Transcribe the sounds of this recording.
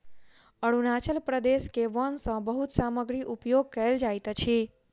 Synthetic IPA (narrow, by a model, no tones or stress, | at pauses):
əɽunat͡ʃəlpɾəd̪eʃkeʋənsə̃bəɦut̪saməɡɾiʔupjoɡ̚kəeld͡ʒajt̪ət͡ʃʰe